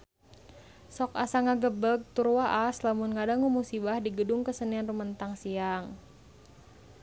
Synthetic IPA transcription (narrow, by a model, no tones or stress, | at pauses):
sɔka̰saŋaɡəbəɡ̚t̪urwaʔaslamunŋadaŋumusibahdiɡədʊŋkəsənianrumənt̪aŋsiaŋ